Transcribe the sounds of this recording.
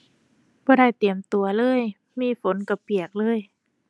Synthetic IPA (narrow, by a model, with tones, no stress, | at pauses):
bɔː˧ɾa˧˥˩jt̪i˨˩əmt̪u˧ɐlɤː˧˥˩j | miː˧˥˨fo˨˦nka˧˩pi˨˩ək̚lɤː˧˩j